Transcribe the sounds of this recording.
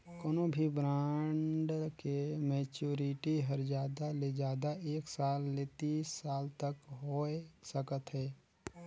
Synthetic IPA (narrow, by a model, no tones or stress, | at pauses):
koːnobʱibɾaːɳɖkemɛːt͡ʃuːɾiʈiɦəɾd͡ʒaːd̪aled͡ʒaːd̪aʔeːksaːlːet̪iːsːaːlt̪əkɦoːesəkət̪ɦɛː